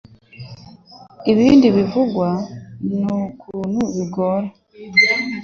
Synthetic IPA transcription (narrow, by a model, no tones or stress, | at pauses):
iβiːndiβivuɡwanukʰuuːnhuβiɡoɾa